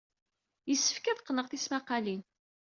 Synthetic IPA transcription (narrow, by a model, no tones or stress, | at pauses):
jəsːə̥fkæðqːnəʁθismaqɑlin